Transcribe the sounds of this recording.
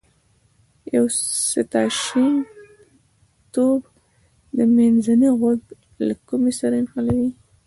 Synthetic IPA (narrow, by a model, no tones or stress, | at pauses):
jawsɪt̪ɑʃin | t̪ob | d̪əmanzaniɣʊd̪ | lakumesaɾaɪnxalawi